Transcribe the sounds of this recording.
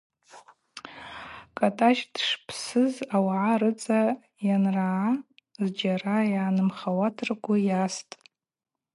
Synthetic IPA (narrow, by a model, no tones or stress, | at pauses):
kʼatʼaʃdʂpʰsɨzawʕaɾɨt͡sʼa | janra | zd͡ʒaɾajaːnɨmχawatʰɨrɡʷajastʼ